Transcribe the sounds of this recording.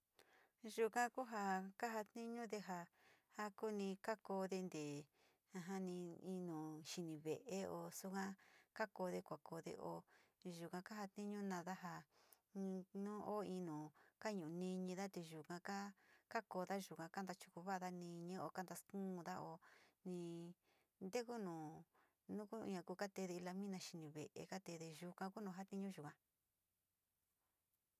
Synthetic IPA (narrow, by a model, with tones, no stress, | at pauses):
ʒu˨˧kã˦ku˦ɦa˧ka˦ɦa˧t̪nĩ˦ɲũ˦ðe˧ɦa˧ | ha˦ku˦nĩ˧ka˦ko˧ðe˧nd̪e˨ | ã˧ɦa˦nĩ˧ĩ˧nũ˨ʃi˧nĩ˨βe˨ʔe˦o˧su˦kã˦ka˦ko˧˦ðe˧kʷa˨ko˧ðḛ˧ʔo˧ʒu˨kã˧ka˦ɦa˧t̪nĩ˦ɲũ˦nã˧ða˦ɦã˧ | nũː˦ʔo˦ĩ˧nũː˨ka˦ɲũ˨˧nĩ˧ɲĩ˧ða˦t̪e˧ʒu˨kã˧ka˦ka˦ko˧ða˦ʒu˨kã˧ka˦nd̪a˧t͡ʃu̥˧ku˧βa˦˧ða˦nĩ˧ɲĩ˦o˧ka˦nd̪a˧skũ˦˧ða˦o˧nĩ˧ | nd̪e˦ku˦nũː˨ | nũ˦kṵ˦˧ɲã˧ku˧˦ka˦t̪e˧ðe˧i˧la˧mĩ˦nã˧ʃi˧nĩ˨βḛ˨ʔḛ˧ka˦t̪e˧ðe˧ʒu˧kã˧ku˦nũ˨ɦa˦t̪ĩ˦ɲũ˦ʒu˨kã˧